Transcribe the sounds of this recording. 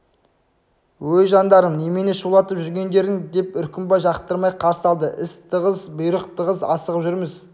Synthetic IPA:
wɵjʒɑnd̪ɑɾəmnemeneʃəlˠɑt̪əpʒʏɾɡʲe̞nd̪e̞ɾɪŋd̪e̞pʏɾkʲɪmbɑjʒɑqt̪əɾmɑjqʰɑɾsɑlˠd̪əʔɪst̪ʰəʁəzbʊjɾəq̚t̪ʰəʁəzɑ̰səʁəpʒʏɾmɪz

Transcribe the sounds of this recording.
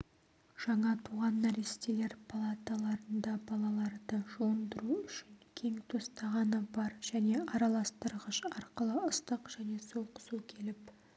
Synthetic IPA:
ʒ̥ɑɴɑt̪ʰuʁɑnːæɾist̪ele̞ɾpʰalˠat̪alˠɑɾənd̪ɑbɑlˠɑlˠɑɾd̪əʒond̪əɾuʏʃɪŋkʲʰe̞ŋt̪ʰo̞st̪ɑʁɑnəbɑɾʒ̥æne̞ʔɑɾɑlˠɑst̪əɾʁəʃɑɾqəlˠəʊst̪əqʒ̥æne̞so̞qə̥sukʲʰe̞lɪp

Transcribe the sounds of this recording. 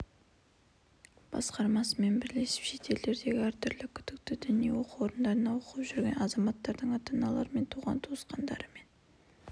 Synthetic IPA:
b̥ɑ̰sqɑɾmɑsəme̞nbɪɾle̞sɪ̥pʃe̞t̪e̞ld̪e̞ɾd̪e̞ɡʲɪæɾt̪ʰʏɾlɪkʲʰʏd̪ɪk̚t̪ɪd̪ʏnijḛwo̞quwo̞ɾənd̪ɑɾənɑwo̞qəpʒʏɾɡʲe̞̰nɑzɑmɑt̪ːɑɾd̪əɴɑt̪ɑnɑlˠɑ̰ɾəme̞nt̪ʰuʁɑ̰nt̪ʰosqɑnd̪ɑ̰ɾəme̞n

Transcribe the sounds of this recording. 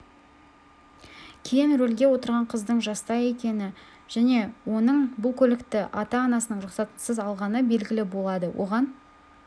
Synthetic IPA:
kʲʰejɪnɾɵlɡʲe̞wo̞t̪əɾʁɑɴqʰəzd̪əɴʒɑst̪ɑje̞kʲe̞nɪ | ʒ̥æne̞wo̞nəɴbʊlˠkʲʰɵlɪkt̪ɪʔɑt̪ɑːnɑsənəɴɾʊqsɑt̪səzɑlˠʁɑnəbe̞lɡʲɪlɪbo̞lˠɑd̪əwʔo̞̰ʁɑn

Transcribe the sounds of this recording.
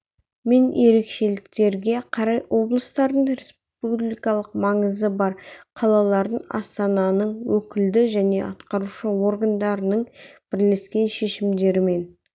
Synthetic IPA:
me̞nje̞ɾe̞kʃe̞lɪkt̪e̞ɾɡʲe̞qʰɑɾɑjwʔo̞blˠəst̪ɑɾd̪əɴɾes | publijkɑlˠəq̚mɑɴəzəbɑɾqʰɑlˠɑlˠɑɾd̪əɴɑ̰st̪ɑnɑnəɴwɵkʲɪld̪ɪʒæne̞ʔɑt̪qɑɾuʃəwo̞rɡand̪ɑɾənəɴb̥ɪɾle̞skʲe̞nʃe̞ʃɪmd̪e̞ɾɪme̞n

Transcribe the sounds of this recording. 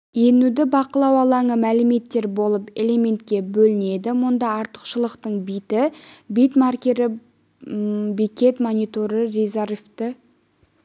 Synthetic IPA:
jenud̪ɪbɑqəlˠɑwɑlˠɑɴəmælɪme̞t̪ːe̞ɾbo̞lˠəpe̞̰lʲe̞mʲe̞nt̪̚kʲe̞bɵlɪne̞d̪ɪmʊnd̪ɑɑɾt̪ə̥qʃəlˠəqt̪əɴbijt̪ɪbijt̪markʲe̞ɾɪ | bikʲe̞t̪monʲijt̪oɾəɾezarft̪ə

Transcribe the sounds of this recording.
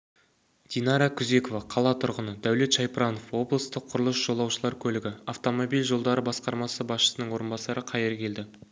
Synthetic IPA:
d̪̥inɑɾɑkʲʰʊze̞ko̞vɑqʰɑlˠɑt̪ʰʊɾʁənəd̪æwle̞t̪ʃɑjpɾɑno̞fwo̞blˠəst̪əqʰːʊɾəlˠəsʒ̥o̞lˠɑwʃəlˠɑɾkʲʰɵlɪɡʲɪaft̪o̞mobilʒo̞lˠd̪ɑɾəbɑsqɑɾmɑsəbɑsʃə̥sənəɴwo̞ɾənbɑsɑɾəqʰɑjeɾkʲʰe̞ld̪ɪ

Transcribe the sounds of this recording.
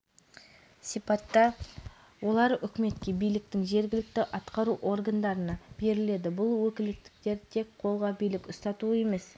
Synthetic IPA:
sijpɑt̪ːɑ | wo̞lˠɑɾʏkʲɪme̞t̪kʲe̞bijlɪk̚t̪ɪŋʒe̞ɾɡʲɪlɪk̚t̪ɪʔɑt̪qɑɾuʔo̞rɡand̪ɑɾənɑb̥e̞ɾɪle̞d̪ɪbʊlˠwɵkʲɪlɪk̚t̪ɪ̥k̚t̪e̞ɾt̪ʰe̞kqʰo̞lˠʁɑbijlɪkʊst̪ɑt̪ue̞me̞s

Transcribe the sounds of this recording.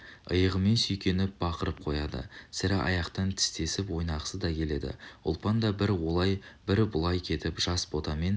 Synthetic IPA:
əjəʁəme̞nsʏjkʲe̞nɪp̚b̥ɑqəɾəp̚qʰo̞jɑd̪ə̰sɪɾɪʔɑ̰jɑqt̪ɑnt̪ʰɪ̥st̪e̞sɪpwojnɑʁə̥səd̪ɑkʲʰe̞le̞d̪ɪ̰ʊ̰lˠpɑnd̪ɑbɪɾwo̞lˠɑjbɪɾbʊlˠɑjkʲʰe̞t̪ɪpʒ̥ɑsbo̞t̪ɑme̞n

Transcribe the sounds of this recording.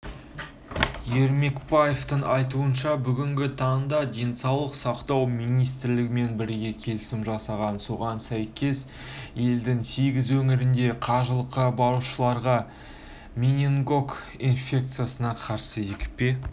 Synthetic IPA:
je̞ɾme̞kpajeft̪əɴɑjt̪̬uənʃɑbʏɡʲɪŋɡʲɪt̪ʰɑəɴd̪ɑd̪e̞jnsɑwlˠəqsɑqt̪ɑwmijnijst̪ɾlɪɡʲɪme̞nbɪɾɡʲe̞kʲʰe̞lɪsɪmʒɑsɑʁɑnso̞ʁɑnsæjkʲʰe̞s | je̞ld̪ɪŋseɡʲɪzwɵmɪɾɪnd̪e̞qʰɑʒəlˠəqːɑbɑɾuʃəlˠɑɾʁɑ | mʲinʲeŋɡo̞k | infʲe̞k̚t̪sɨjasənɑqʰɑɾsəjekʲɪ̥pe̞

